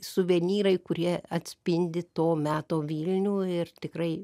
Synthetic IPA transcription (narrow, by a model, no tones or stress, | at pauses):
sʊʋʲɛnʲiːɾɐɪkʊɾʲiɛɐt̪ʲsʲpʲɪnʲd̪ʲɪt̪oːmʲæːt̪oːʋʲiːlʲnʲuːɪrt̪ʲɪkrɐɪ